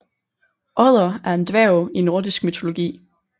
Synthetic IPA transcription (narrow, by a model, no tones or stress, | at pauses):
ʔɒð̰ˠɐæɐe̝nd̥ʋæʊino̝ɐd̥isɡ̥̚myt͡sʰo̝lo̝ɡ̥ḭː